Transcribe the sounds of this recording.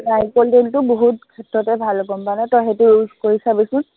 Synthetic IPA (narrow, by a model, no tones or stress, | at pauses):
najkɔldentʊboɦut̚kʰɛtɹɔtɛbʱalkɔmpanɛtɔɦɛtuuzkoɹisabisʊ̃